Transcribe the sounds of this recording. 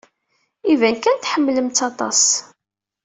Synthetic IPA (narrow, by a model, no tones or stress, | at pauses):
ivænkænt̪ħəmːləmt͡s̪ːɑt̪ˤɑ̰s